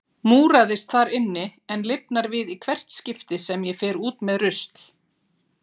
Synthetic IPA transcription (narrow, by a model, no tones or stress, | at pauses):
muːɾaðɪst̪θaɾɪnːɪɛnlɪp̚naɾvɪðikʰvɛr̥t̪scɪft̪ɪsɛmjɛfɛːɾuːt̪mɛðrʏst̪l